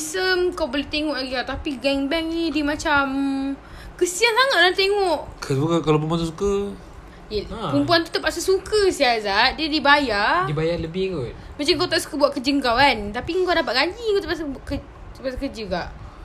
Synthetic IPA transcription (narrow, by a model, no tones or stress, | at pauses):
səmkawbolet̪eŋɔʔlaɡikaʔt̪apiɡɛŋbɛŋnidiəmãt͡ʃam | kəsiansaŋat̪̚lat̪eŋɔʔkʰəbukkalap̬əmp̬uansusukə | jpumpuant̪u̥t̪əpaʔsəsukəsiazaʔ̪̚diədibajadibajaləbɪhkot̪mat͡ʃamkawt̪aʔsu̥kəbuwat̪ʔ̚kəd͡ʒəŋkawant̪apiŋɡadapat̪̚ɡaɲd͡ʒikut̪əpaʔs̬baʔkə | əpasakəd͡ʒəkaʔ